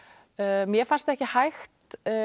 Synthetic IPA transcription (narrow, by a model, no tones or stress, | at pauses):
mjɛfanst̪ɛhcɪhajxt̪